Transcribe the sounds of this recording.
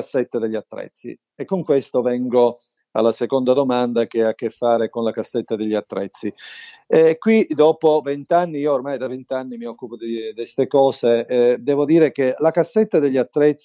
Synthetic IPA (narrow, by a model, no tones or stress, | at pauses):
asːet̪ːad̪eʎːiat̪ːɾɛ̰t̪sːḭ | ekːoŋkwest̪ovɛŋɡo | a̰lːasekond̪ad̪omand̪ak̟eakːefːaːɾekonlakasːet̪ːad̪eʎːiat̪ːɾɛ̰t̪sːi | ɛkwid̪ɔːpovent̪anːiioːrmajd̪avent̪anːimiɔkːupod̪id̪est̪ekɔːsed̪ɛːvod̪iːɾek̟elakasːet̪ːad̪eʎːiat̪ːɾɛt̪s